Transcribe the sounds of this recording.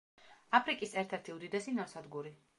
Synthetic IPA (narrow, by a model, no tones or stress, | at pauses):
apʰɾikʼisɛɾt̪ʰɛɾt̪ʰiud̪id̪ɛsinɔɾsad̪ɡuɾi